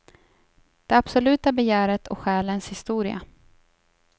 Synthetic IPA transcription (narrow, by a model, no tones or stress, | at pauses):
d̪̥ɛɾab̥sɔlʉ̟ːt̪abɛjæːɾət̪ʰɔ̰kɧɛːlənshɪst̪uːɾɪa̰